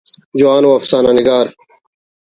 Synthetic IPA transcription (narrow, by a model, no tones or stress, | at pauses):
d͡ʑʊaːnoːfsaːnaːnɪɡaːɾ